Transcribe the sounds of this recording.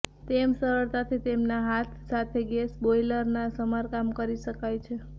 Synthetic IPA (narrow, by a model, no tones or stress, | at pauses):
t̪emsəɾəɭt̪at̪ʰit̪emnaɦat̪ʰsat̪ʰeɡɛsbojləɾnasəmaɾkamkəɾiʃəkajt͡ʃʰe